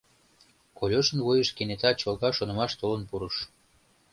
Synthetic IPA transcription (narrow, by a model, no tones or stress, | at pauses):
kolʲoʃənvujəʃkenet̪ɑt͡ɕolˠɣɑʃonə̆mɑʃt̪olənpuɾəʃ